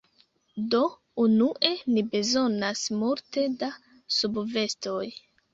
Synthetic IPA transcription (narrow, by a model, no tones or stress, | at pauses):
do̞ | unuʔe̞nibe̞zo̞nasmulte̞da | subve̞sto̞j